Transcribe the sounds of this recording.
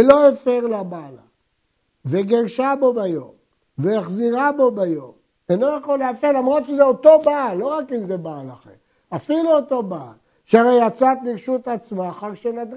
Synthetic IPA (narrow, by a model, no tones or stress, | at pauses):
elo̞efeʁlabala̰ | veɡeʁʃabo̞bajo̞m | veaχziʁabo̞bajo̞m | eno̞jaχolːeafeʁlamʁo̞t̪ʃezeot̪o̞baːlːo̞ʁakimze̞baːlaχḛm | afiluot̪o̞baːl | ʃeaʁejjat͡sat̪liʁʃut̪at͡smaːχaʁʃenad̪